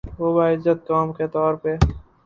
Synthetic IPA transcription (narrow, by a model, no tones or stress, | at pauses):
ʋoːbaːɪzət̪̚ːaːmket̪ɔːɾpe